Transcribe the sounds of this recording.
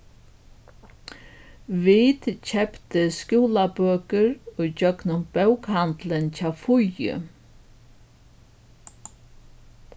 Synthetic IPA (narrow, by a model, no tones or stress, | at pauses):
ʋiːt̪cʰɛpt̪əskuːlabøːkəɹʊd͡ʒœknʊmbœwkhant̪ləncaːfʊjʏ̰